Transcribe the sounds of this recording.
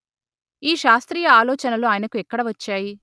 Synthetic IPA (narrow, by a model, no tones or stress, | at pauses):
iːʃaːst̪ɾiːjɐaːlɔːt͡ʃɐnɐluaːjɐnɐkuɛkːɐɽɐʋɐt͡ʃːaːji